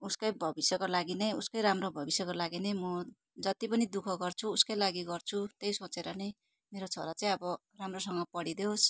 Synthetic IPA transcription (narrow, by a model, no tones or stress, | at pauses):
uskʌjbʱʌbisjʌkolaɡinʌjuskojɾamrobʱʌbisjʌkolaɡinʌjmʌ | d͡zʌt̪ipʌnid̪ukʰʌɡʌrt͡sʰuːskʌjlaɡiɡʌrt͡sʰut̪ejsot͡seɾʌnʌj | meɾot͡sʰoɾat͡saĩʌbʌ | ramrosʌŋɡʌpʌɽid̪eos